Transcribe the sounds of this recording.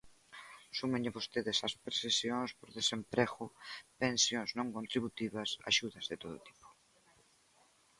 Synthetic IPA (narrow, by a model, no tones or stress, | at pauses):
sumẽɲɪβost̪eðɪsɐspɾesesjoŋspoɾðesempɾeɣʊpẽnsjõŋsnõŋkont̪ɾiβut̪iβɐsa̰ʃuðɐzðet̪oðʊ̰t̪i̥po̥